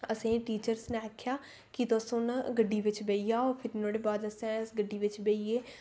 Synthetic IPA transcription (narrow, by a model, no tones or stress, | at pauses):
əsẽːʈiːt͡ʃəɾsnẽːkʰːjaː | kɪt̪osõːnɡəɖːiːʋɪt͡ʃbeːijaːoːɾpʰɪɾnoːɽeːbaːd̪əsɛ̃ːsɡəɖːiːʋɪt͡ʃbeːieː